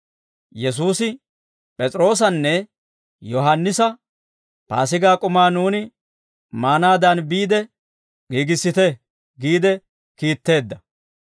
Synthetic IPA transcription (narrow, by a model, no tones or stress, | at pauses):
jɛs̬uːsɪ | pʼɛt͡sʼɾo̞ːs̬ɐnːɛ | jɔɦɐnːɪsɐ | pa̰ːsɪɡaːkʼʊmaːnuːnɪ | maːnaːd̪ɐnbiːd̪ɛ | ɡiːɡɪsːɪt̪ɛ | ɡiːd̪ɛ | kiːt̪ːe̞ːd̪ːɐ